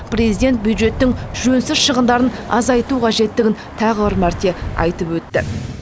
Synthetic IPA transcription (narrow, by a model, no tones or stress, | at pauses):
prezijd̪ʲe̞nt̪̚bjud̪ʒe̞t̪ːɪŋʒɵnsɪzʃəʁənd̪ɑɾənɑ̰zɑjt̪uqʰɑʒe̞t̪ːɪɡʲɪnt̪ʰɑʁəbɪɾmæɾt̪e̞ɑ̰jt̪əpwɵt̪ːɪ̰